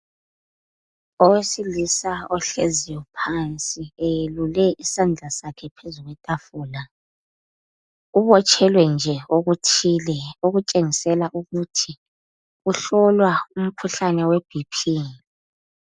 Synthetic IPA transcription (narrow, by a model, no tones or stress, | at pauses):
ɔwesilisaɔɬezijɔpʰant͡sʼiejelulɛʔisand͡ɮʱasakʰɛpʰezuɣwɛtʼafuːla | uβɔt͡ʃʼʰɛlwɛnd͡ʒʱɛoɣutʰilɛoɣut͡ʃʼeŋisɛlaʔuɣutʰi | uɬɔlwaum̩kʰuɬanɛweb̥ʱipʰiːni